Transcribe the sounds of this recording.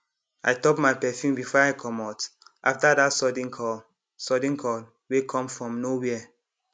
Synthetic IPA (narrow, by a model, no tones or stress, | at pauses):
a̰jtɔp̚majpɛfĩmbifɔaɪkʰɔ̃matʔaftadatsɔdĩŋkʰɔ | sɔdĩŋkʰɔl | wekʰɔ̃mfɹɔ̃mnowiɛ